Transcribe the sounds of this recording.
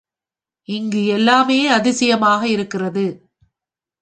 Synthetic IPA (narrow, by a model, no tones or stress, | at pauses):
ɪŋɡɯɛlːaːmeːɐðɪsɐjɐmaːɣɐɪɾɯkːɪrɐðɯ